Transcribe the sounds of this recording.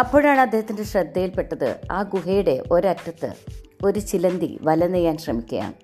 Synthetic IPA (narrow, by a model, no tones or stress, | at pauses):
ɐpːoːɻjaːɳɨɐd̪ːeːhɐt̪ːinde̞ɕrɐd̪ːɐjilpe̞ʈːɐðɨ̰a̰ːɡuɦejuɽe̞ʔo̞ɾɐtːɐt̪ːɨ̰o̞ɾut͡ɕilɐnd̪ḭʋɐlɐnejaːnɕrɐmikʲːɐja̰ːɳ